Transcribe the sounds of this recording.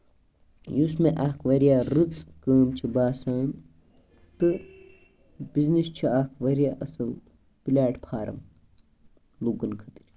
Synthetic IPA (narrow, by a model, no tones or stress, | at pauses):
jusmeʔakʰʋɐɾjaːɾɨt͡skəːmt͡ʃʰibaːsaːn | t̪ɨ | biznist͡ʃʰiaːkʰʋɐɾjaːʔɐsɐl | pilʲaːʈpʰaːɾɐ̰m | luɡɐnkʰɐt̪iɾʲ